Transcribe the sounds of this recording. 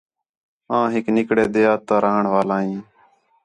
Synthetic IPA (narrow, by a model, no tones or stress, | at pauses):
ãːɦɪknɪkɽeːd̪eːaːt̪aːɾəɦəɳʋaːlaːɦĩː